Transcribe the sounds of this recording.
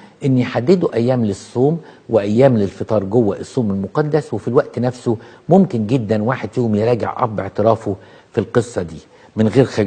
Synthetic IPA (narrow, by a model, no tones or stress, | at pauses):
ʔɪnːjħad̪ːed̪uʔæjːæːmlɪsˤːoːmwɪʔæjːæːmlɪlfet̪ˤɑːɾˤɡowːæʔesˤːoːmelmoqɑd̪ːæswefilwæʔt̪næfsomʊmkɪnɡed̪ːænwaːħed̪joːmjeɾˤɑːɡḛʕʔɑ̰ɾˤbeʕt̪ɪɾˤɑːfo | filqɨsˤːɑd̪iː | mɪnɣeːɾxæ